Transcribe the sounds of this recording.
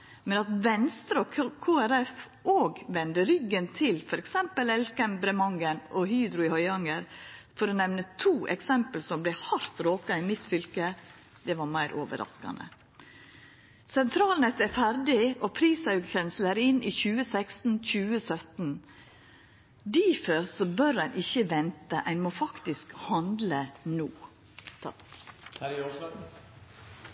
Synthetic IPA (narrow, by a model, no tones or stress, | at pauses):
mɛnɑt̪ʋɛnst̪ɾəɔkʰoːæɾɛf | ʔoːɡʋɛnd̪əɾʏɡːənt̪ʰɪlfɔɾɛksɛmpəlɛlkɛmbɾɛmɑŋənʔɔhyːd̪ɾʊɪhɔʏɑŋəɾfɔɾɔnɛʋnət̪ʰuːʔɛ̰ksɛmpəlsɔmblɛhɑɾt̪ɾoːkɑɪmɪt̪fʏlkə | d̪̥ɛʋɑɾmæɪɾʔo̰ːʋə̰ɾʔɑ̰skɑ̰nd̪ə̰ | sɛnt̪ʰɾɑːlnɛt̪æɾfæɾɖɪʔopʰɾiːsɑʉɡkʰɾɛnsləɾɪnʔiːçʉːəsækst̪n̩c͡çʉːəsœt̪n̩ | d̪iːfəɾsɔbœɾæɪnʔɪçəʋɛnt̪əʔæɪnmoːfɑkt̪ɪskhɑnd̪lənuː